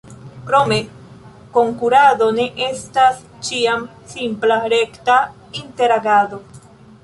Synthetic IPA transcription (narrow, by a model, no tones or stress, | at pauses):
kɾo̞me̞ | ko̞ŋkuɾado̞ne̞ʔe̞stas | t͡ʃiam | simplaɾe̞kta | inte̞ɾaɡado̞